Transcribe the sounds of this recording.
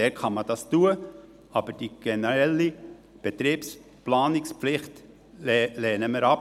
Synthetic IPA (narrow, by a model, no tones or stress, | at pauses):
ɛːkχɑmɑd̥ɑstuːə | ɑb̥əɾd̥iɡ̥ɛnəɾɛlːi | b̥et̪ɾiːps | plɑːnɪkspflɪχt | lɛːnəməɾɑp